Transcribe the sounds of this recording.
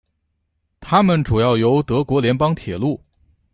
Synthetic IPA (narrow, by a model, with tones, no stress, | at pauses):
t̪ʰa˥mə˨nʈ͡ʂu˨˩jɑ˥˩ʊjo˧˥ʊt̪ɤ˧˥kwɔ˧˥ljɛ˧˥npɑ˥ŋt̪ʰjɛ˨˩lu˥˩